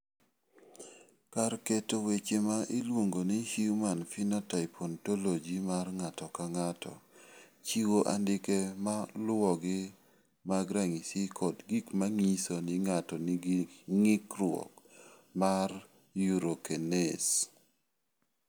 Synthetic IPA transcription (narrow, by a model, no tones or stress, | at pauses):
karketowet͡ʃemaʔilwoŋɡonihiumanfinɔtapʰontolod͡ʒimarŋatɔkaŋatɔ̰t͡ʃiwoʔandɪkemalwɔɡɪ | maɡɾaŋisikʰɔdɡikmaŋisonɪŋatɔnŋɪkɾwɔ̰kmar | juɾokenes